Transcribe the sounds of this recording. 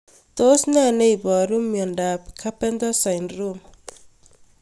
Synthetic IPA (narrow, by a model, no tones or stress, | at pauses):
t̪osnanejbɔɾumːjɔndapkʰapɛndɔsajnrum